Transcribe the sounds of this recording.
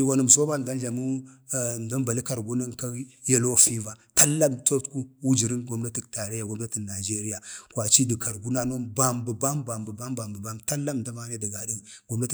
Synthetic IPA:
i˨wa˨nu˨m˨so˦ba˦n˨da˦nɮa˨mu˦˨ | nda˦mba˨li˦ka˨ɾɡu˦na˦n˨ka˦ja˦lo˦˨fi˦va˨ta˦lːa˦mto˦tku˦wu˦d͡ʒi˨ɾi˦nɡo˦mna˦ti˨kta˨ɾe˦ja˨ɡo˦mna˦ti˨na˨d͡ʒe˦ɾi˦ja˨kwa˨t͡ʃi˦di˨ka˨ɾɡu˦na˦no˦ba˨mbə˨ba˦mba˨mbə˨ba˦m˦ba˨mbə˨ba˦mta˦lːa˦m˨nda˦ma˦ne˦di˨ɡa˨di˦nɡo˦mna˦t

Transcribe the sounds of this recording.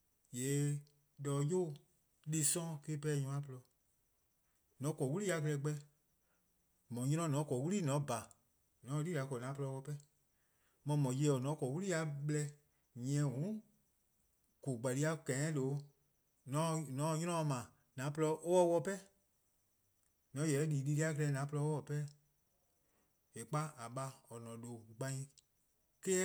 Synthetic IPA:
je˨˦ | dɔː˨˧˦jo˦˨ | li˦sɔ̃˦ke˦pɛ˦˨ɲũ˧ã˦plɔ˧ | nɔ̃˨˦kɔ˨wu˦i˦a˧klɛ˧˦ɡ͡bɛ˧˦ | mɔ̃˨ɲĩ˧˦ɔ̃˧˦nɔ̃˨˦kɔ˨wu˦li˦˨nɔ̃˨˦ba˨ | nɔ̃˨˦˧liː˦˨a˨˦kɔ˨nã˨˦pɔ˧˦wɔ˧pɛ˦ | mɔ̃˧˦mɔ̃˨je˧˦ɔ˨nɔ̃˨˦kɔ˨wu˦li˦a˧ɓlɛ˧ | ɲ˨ɛ̃˨˦˨ɦũ˨˦ | ko˨ɡ͡ba˨li˧˦a˧kɛ̃˨ɛ̃˦lo˨˦ | nɔ̃˨˧˦nɔ̃˨˦˧ɲɔ̃˦ɔ̃˧mã˨ | nã˨˦pə˧lɔ˧ʔo˦wɔ˧˦wɔ˧pɛ˦ | nɔ̃˨˦jɛ˨˦liː˨˦li˧li˦a˦kə˧lɛ˧nã˨˦pə˧lɔ˧o˦ɔ˧˨pɛ˦ | e˨k͡pa˦a˨ɓa˧ɔ˨nɔ̃˨lo˨ɡ͡bã˧ĩ˧ | kɛ˦

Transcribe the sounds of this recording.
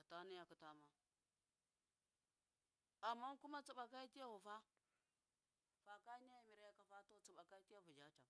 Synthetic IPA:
ka˨ta˦ni˦ja˨ku˨ta˦ma˦ | a˨mːa˦ŋ˦ku˦ma˦t͡su˨ɓa˨ka˦i˦ti˦ja˦wu˨fa˦ | fa˨ka˦ɲa˦ja˨mi˨ɾa˨˦ja˦ka˨fa˦to˦t͡su˨ɓa˨ka˦i˦ti˦ja˦vu˨d͡ʒa˦t͡ʃa˨

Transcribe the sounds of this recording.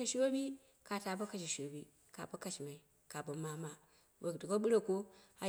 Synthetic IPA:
e˦ʃwo˦bi˦ | ka˨ta˨ba˦ka˦ʃ̬i˨ʃo˨bi˦ | ka̰˨ba˦ka˨ʃi˨ma˨i˨ | ka˨bo˨ma˨ma˨ | bo˨du˨ko˦ɓu˦ɾa˦ko˦a˨

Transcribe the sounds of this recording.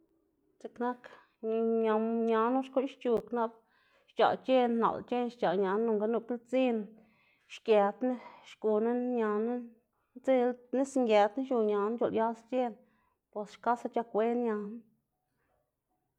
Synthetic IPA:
t͡se˧kna˦k | ɲa˧ɲa˧nu˦ʃku˦nʃt͡ʃu˧kna˦b | ʃt͡ʃa̰˨t͡ʃe˦nna̰˨lt͡ʃe˦nʃt͡ʃa˨ɲa˨nu˧ŋɡa˦nu˧ki˦lt͡si˦n | ʃkje˧d̪ne˦ʃku˧na˦ɲa˧nu˦ | t͡se˦lni˦sŋɡʲe˨d̪n˦ʃu˧ɲa˨n˦t͡ʃo˨lja˦st͡ʃe˦n | pwe˧sʃka˦sa˧t͡ʃa˧kʷe˦nɲa˧n˦

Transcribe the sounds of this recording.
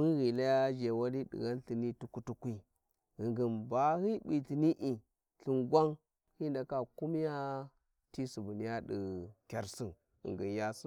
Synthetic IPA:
mi˦ɣi˨la˦ja˦d͡ʒe˨wa˦li˦ɗḭ˨ɣa˦n˦ɬi˨ni˦tu˦ku˦tu˦kʷi˦ | ɣi˨ŋɡi˨nba˨hi˦bi˨ti˨ni˦ʔi˨ | ɬi˨nɡʷa˦ŋ | hi˦nda˨ka˦ku˦m˦ja˦ | ti˦su˨bu˨ni˦ja˦ɗḭ˨kʲa˨ɾsi˦n | ḭ˨ŋɡi˨nja˦s

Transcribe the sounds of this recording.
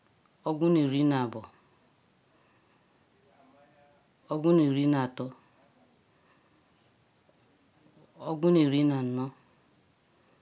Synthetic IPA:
ɔ˦ɡũ˦ne˨ɾi˦na˨bɔ˨ | o˦ɡũ˦ne˨ɾi˦na˨tɔ˦ | o˦ɡũ˦ne˨ɾi˨˦na˨n̩˨˦nɔ˦

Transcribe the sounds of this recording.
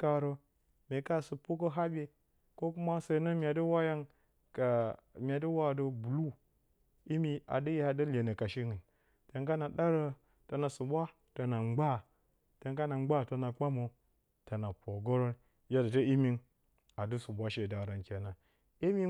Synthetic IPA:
ka˨ɾə˨ | me˨ka˦˨sɨ˨pu˦k̬ə˦ɦa˦bʲe˨ | ko˦ku˦ma˦sa˨˦nə˦mʲ˦a˨də˦wa˦ja˦ŋ | ka˨mʲ˨a˨də˦wa˦˨də˦bu˨lu˦ | i˦mi˦a̰˨də˦je˦ha˨də˦le˨nə˨ka˨ʃi˦ni˨n | te˨ŋka˦na˨ɗa˦ɾə˦ | ta˨na˨su˨bʷa˦ | to˨na˨ŋ͡mɡ͡ba˦˨ | te˨ŋka˦na˨ŋ͡mɡ͡ba˦˨to˨na˨k͡pa˦mo˨ | ta˨na˨po˨ɡo˦ɾo˦n | ja˦da˨tə˦i˦mi˦n | a˨də˦su˨bʷa˦ʃe˨da˨ɾa˨nkʲe˨na˨ | i˦mi˦

